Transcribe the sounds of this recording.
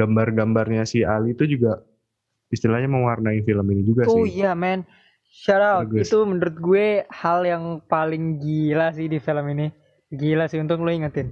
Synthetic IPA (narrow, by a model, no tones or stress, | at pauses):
ɡambarɡambarɲasihalit̪ud͡ʒuɡa | ist̪ilahɲaməŋwarnaɪfiləminid͡ʒuɡasoɪijamɛn | ʃaɾaɡit̪umənuɾʊt̪̚ɡuehaljaŋpalɪŋɡilasɪhdifiləmini | ɡilasɪhunt̪ʊkloiŋət̪ɪn